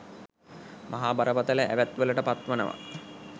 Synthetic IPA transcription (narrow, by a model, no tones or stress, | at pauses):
mʔaɦaːbaɾəpət̪ələʔæʋæt̪ʋələʈəpat̪ʋənə̰ʋa̰